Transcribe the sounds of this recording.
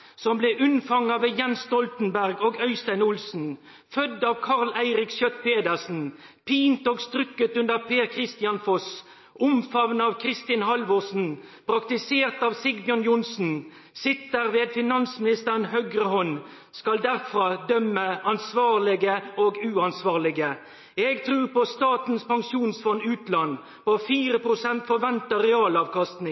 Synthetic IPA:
sɔmbleːʔʉnfɑŋːəʋeːjɛnsst̪ɔlt̪n̩bæʁɡoːɡœʏst̪æɪnʊlsn̩ | fœd̪ɑːʋkʰɑʁlæɪʁɪksjœt̪pʰeːd̪əʁsn̩pʰiːnt̪oːɡst̪ʁʏkːət̪ʉnəʁpʰeːʁkʰʁɪst̪ɪɑnfɔs | ʊmfɑʋnəɑːʋkʰɾɪst̪ɪnhɑlʋɔsn̩pʰʁɑkt̪ɪseːʁt̪ɑːʋsɪɡbjɔnjʊnsn̩ | sɪt̪ːəɾʋeːd̪fɪnɑnsmɪnɪst̪əʁənhœɡɾəhɔn | skɑld̪æʁfɾɑːd̪œmːəɑnsʋɑːʁlɪɡəoːɡʉːɑnsʋɑːʁlɪɡə | ɛɡt̪ʰɾʉːʁpɔst̪ɑːt̪n̩spɑŋʂuːnsfɔnːʉːt̪lɑnː | pofiːɾəpʰɾʊsɛnt̪fɔɾʋɛnt̪əʁɛɑːlɑːʋkɑst̪nɪ

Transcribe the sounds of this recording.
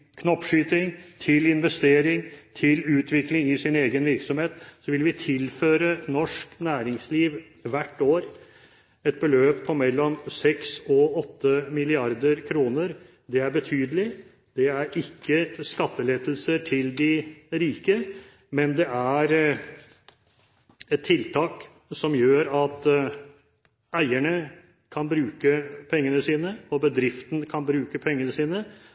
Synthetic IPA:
kʰnɔpːʂyːt̪ɪŋt̪ʰɪlɪnʋɛst̪eːɾɪŋt̪ʰɪlʉːt̪ʰʋɪklɪŋɪsɪneːɡənʋɪɾksɔmheːt̪sɔʋɪlʋɪt̪ʰɪlføːɾənɔʂknæːɾɪŋsliːʋ | ʋæʈːoːɾ | ɛt̪̚bəløːpʰːɔmɛlːɔmsɛksɔɔt̪ːəmɪlɪɑɾd̪əɾkʰɾuːnəɾ | d̪ɛæɾbət̪ʰyːd̪əlɪ | d̪̥ɛæɾɪkːəskɑt̪ːəleːd̪lsəʈʰɪld̪ɪɾiːkə | mɛnd̪ɛʔæɾ | ɛt̪ʰːɪlt̪ʰɑːk | sɔmjøːɾɑt̪ | æɪæɳə | kʰɑnbɾʉːkəpʰɛŋːənəsiːnəɔbəd̪ɾɪft̪ən̩kʰɑnbɾʉːkəpʰɛŋːənəsiːnə

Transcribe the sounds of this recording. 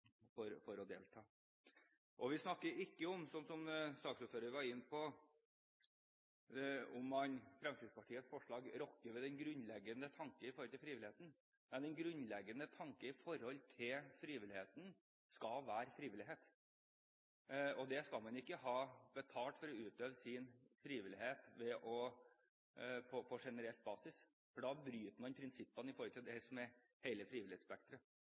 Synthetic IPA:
fɔɾfɔɾɔd̪ḛːlt̪ʰɑː | ʔɔʋɪsnɑkːəɪkːəɔmsɔnsɔmsɑːksʉːt̪føːɾəɾʋɑɪnːpʰɔ | ɔmɑnfɾɛmt̪ʰiːd̪spʰɑʈʰiːət̪sfɔʂɭɑːɡɾɔkːəʋɛd̪ɛnɡɾʉnlɛɡːənət̪ʰɑŋkəɪfɔɾhɔlt̪ɪlfɾiːʋɪlɪeːt̪n̩ | mɛnd̪ɛnɡɾʉnlɛɡːənət̪ʰɑŋkəɪfɔɾɔlt̪ʰɪlfɾiːʋɪlɪheːt̪n | skɑʋæːɾfɾiːʋɪlɪɦeːt̪ | ɔd̪ɛskɑlmɑnʊɪkːəɦɑːbət̪ʰɑːlt̪fɔɾɔʉːt̪øːʋəsɪnfɾiːʋɪlɪheːt̪ʋɛʔɔ | pʰɔpʰɔʂɛnəɾɛlt̪̚bɑːsɪs | fɔɖɑːbɾyːt̪mɑnpʰɾɪnsɪpːənɪfɔːɾɔlt̪ʰɪld̪ɛsɔmɛ | hæɪləfɾiːʋɪlɪheːt̪spɛk̚t̪ɾə

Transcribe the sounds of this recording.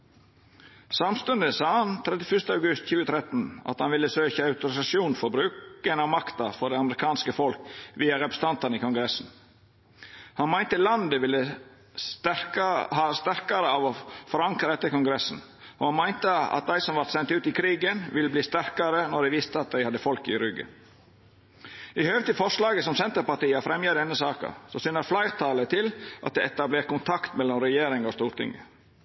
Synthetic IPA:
sɑmst̪ʉnd̪əsɑːhɑnt̪ʰɾɛd̪ɪfʏʂst̪əɑʉɡʉst̪çʉːət̪ʰɾɛt̪n̩ɑ̰t̪hɑnʋɪlːəsøːçəɑʉt̪ʊɾɪsɑʃjuːnfɔɾbɾʉːkənɑʋmɑkt̪ɑfɔɖɛɑməɾɪkʰɑːnskəfɔlkʋiːɑɾɛpɾə̥sət̪ɑnt̪ɑnəiːkʊŋɡɾɛsn̩ | hɑnmæɪnt̪əlɑnd̪əʋɪlːə | hɑst̪æɾkɑɾəɑʋɔfɔɾɑŋkɾəɛt̪ːəɾkʊŋɡɾɛsn̩ | ʔɔhɑnmæɪnt̪əɑ̰t̪̚d̪æɪsɔmʋɑɾt̪sɛnt̪ʉːt̪ɪkʰɾiːɡənʋɪlːəbliːst̪æɾkɑɾənɔɖæɪʋɪst̪əɑt̪̚d̪æɪhɑd̪əfɔlkɪɾʏɡə̰ | ɪhøːʋət̪ɪfɔʂlɑːɡəsɔmsɛnt̪əɾpɑʈiːəfɾɛmjed̪ɛnːəsɑːkə̰sɔsynəɾflɑɪt̪ʰɑːlət̪ʰɪlʔɑt̪̚d̪ɛɛt̪ɑbleːʈ̚kʊnt̪ʰɑkt̪mɛlːɔmɾɛjeːɾɪŋɔst̪uːɾt̪ʰɪ̰ŋə̰

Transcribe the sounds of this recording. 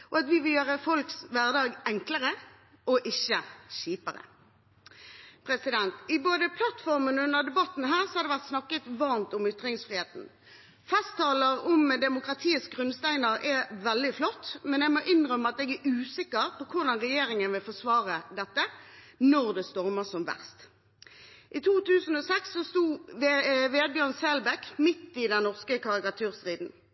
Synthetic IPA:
ʔɔɑt̪ʋɪʋɪljøːʁəfɔlksʋæʁd̪ɑːɡɛŋkləʁə | ɔʔɪçəɕiːpəʁə̰ | pʰɾɛsɪd̪ɛnt̪ɪboːd̪əpʰlɑt̪fɔʁmənʉnːəʁd̪ɛbɑt̪ːn̩ɦæːʁsɔhɑɾd̪ɛʋæʁt̪snɑkːət̪ʋɑʁmt̪ʊmʏt̪ɾɪŋsfʁɪːheːt̪n̩ | fɛst̪ʰːɑːləɾɔmd̪ɛmʊkɾɑt̪ʰiːəsɡʁʉnst̪æɪnəɾɛʋɛld̪ɪflɔt̪ːmɛnɛɡmoʔɪnʁœmːəɑt̪ɛɡæʔʉːsɪkːəʁpʰɔkʰʊʁd̪ɑnʁɛjeːʁɪŋənʋɪlfɔsʋɑːʁəd̪ɛt̪ːə | nɔʁd̪ɛst̪ɔʁməsɔmʋæ̰ʁst̪ | ʔit̪ʰuːt̪ʰʉːsn̩ɔːsɛksːɔst̪uː | ʋeːd̪̚bjøːʁnsɛlbɛkmɪt̪ːɪd̪ɛnnɔʁskəkʰɑʁɪkɑt̪ʰʉːʁst̪ʁiːd̪n̩

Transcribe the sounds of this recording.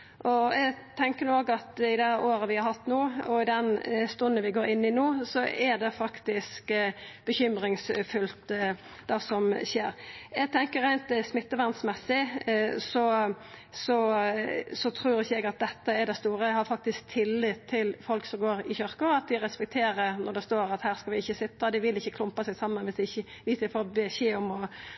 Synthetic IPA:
ʔɔɛɡt̪ʰɛŋkəɾnoːɡɑt̪ɪd̪æʔoːɾəʋɪhɑɾhɑt̪ːnuːɔɪd̪ɛnst̪ʉnd̪ənʋɪɡoːɾɪnːɪnuːsɔʔɛd̪ɛfɑkt̪ɪskb̥əçʏmɾɪŋsfʉlt̪ | d̪ɛsɔmʃeːɾɛɡ̚t̪ʰɛŋkəɾæɪnt̪smɪt̪ːəʋænst̪mɛsːɪsɔ | sɔ | sɔt̪ʰɾuːɾɪçəɛɡɑt̪̚d̪ɛt̪ːəɛɾd̪ɛst̪uːɾəɛhɑɾfɑk̚t̪ɪsk̚t̪ʰɪlːɪt̪ʰːɪlfɔlksɔmɡoːɾɪçœɾkəɑt̪̚d̪ɪɾɛspɛk̚t̪ʰeːɾəɾnɔʁd̪ɛst̪oːɾɑt̪hæːɾskɑʋɪɪçːəsɪt̪ːɑd̪ɪʋɪlɪçːəkʰlʊmpɑsɛɪɡsɑmːənʋɪsd̪ɪɪçːə | ʋɪsɪfoːɾbɛɕeːɔmɔ

